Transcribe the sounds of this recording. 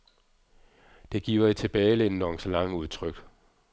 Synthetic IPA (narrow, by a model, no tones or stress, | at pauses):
d̥e̝ɡ̥ḭːʊɐit͡sʰe̝b̥ɛːɪlenənɒŋslɑ̈ŋəuð̞ˠt͡sʰʁœɡ̥